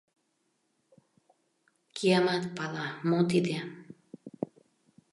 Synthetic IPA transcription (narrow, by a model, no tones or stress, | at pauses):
kʰiamat̪palamot̪id̪ean